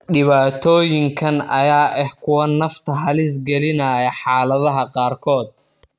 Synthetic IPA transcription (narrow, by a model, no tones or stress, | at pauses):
ɖɪβaːt̪ʰɔːjɪŋkʰɐnɐjaːʔɛhkʰʊwɐnɐft̪ʰɐɦɐlɪs̬ɡɛlɪnɐjɐħɑːlɐðɐɦɐqɑːrkʰɔːd̪̚